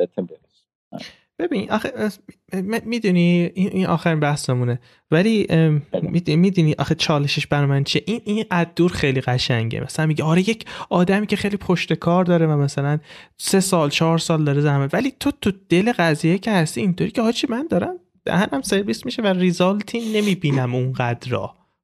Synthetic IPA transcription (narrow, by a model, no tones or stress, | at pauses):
et̪ʰbe | b̥e̞biniʔɒxe | mmid̪uniinʔinʔɒ̰ːxæɾiːnbæhsemune̞ | væli | id̪mid̪uniʔɒ̰xet͡ʃʰɒːleʃeʃb̥æɾɒːmænt͡ʃʰieʔininʔæd̪̚d̪ːuːɾxe̞jliɣæʃæŋɟḛmʔæ̰sælænmiɟeɒːɾejecʰɒːd̪æmiːcʰe̞xejlipʰoʃt̪e̞kʰɒːɾd̪ɒːɾevæmæsælænse̞sɒːlt͡ʃʰɒːɾsɒːld̪ɒːɾezæhmæt̪væliːt̪ʰot̪ʰud̪̥e̞le̞ɣæziːjecʰehæst̪iːnt̪ʰoːɾiːcʰehɒːt͡ʃʰimænd̪ɒːɾæm | d̪̥æ̰hænæmse̞ɾvismiʃeværizɒlt̪ʰinnːe̞miːbiːnæmunɢæd̪ɾɒ̰ː